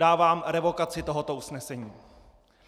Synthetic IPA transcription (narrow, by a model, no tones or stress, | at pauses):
aːvaːmɾɛvo̞kat͡sɪt̪o̞ɦo̞t̪o̞ʔusnɛsɛɲiː